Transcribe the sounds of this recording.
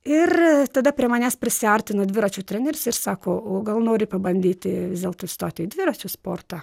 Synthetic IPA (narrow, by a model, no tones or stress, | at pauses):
ɪrt̪ɐd̪ɐpʲɾʲiɛmɐnʲæːspʲɾʲɪsʲɪɐɾʲt̪ʲɪnod̪ʲʋʲɪɾɐt͡ʃʲuːt̪ʲɾʲɛnʲɛɾʲʊsɪrsɑːkoːoːɡɐlˠnoːɾʲɪpɐbɐnʲd̪ʲiːt̪ʲɪʋʲɪzd̪ʲeːlˠt̪oːst̪oːt̪ʲɪɪd̪ʲʋʲɪɾɐt͡ʃʲuːspoːrt̪ɑ